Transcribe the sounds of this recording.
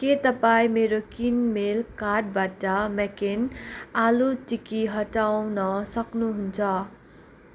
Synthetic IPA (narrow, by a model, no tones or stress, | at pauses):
ket̪ʌpaĩmeɾokinmelkarʈ̚baʈʌmekenalutikiɦʌʈawnʌsʌknuɦunt͡sʰʌ